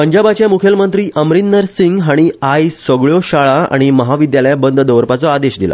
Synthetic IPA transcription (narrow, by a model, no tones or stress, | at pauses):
pəɲd͡ʑabat͡ɕjamukʰjəlmənt̪ɾiːʔəmɾinːəɾsiŋɡɦaɽ̃iajsʋəɡɭjoɕaɭaa̰ɽ̃iməɦaʋid̪jaljabənd̪ʱd̪əʋɾpat͡sɔad̪eɕd̪ila̰